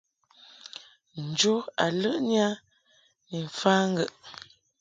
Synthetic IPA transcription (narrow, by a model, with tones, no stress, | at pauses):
n̩˨d͡ʒo˦a˨lə˦ʔnja˦ | ni˨ɱ̩˨faː˦ŋ˦ɡə˨ʔ